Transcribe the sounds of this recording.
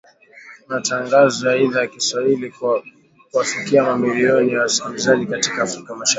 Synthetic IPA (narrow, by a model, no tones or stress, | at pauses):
mataŋɡazɔjaiðajakiswahili | kuafikiamamiliɔnijawasi̥kamizaʄikatikaːfɾikamaʃa